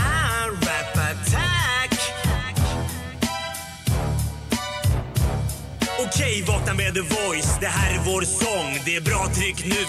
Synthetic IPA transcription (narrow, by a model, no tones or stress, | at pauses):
ɾɛpːat̪ʰæk | ʊkʰɛjvɑːknabɛd̪əvɔjsd̪ɛɦæːɾævoːɾsɔŋːd̪ɛæbɾɑːt̪ʰɾʏkːnʉ̟ː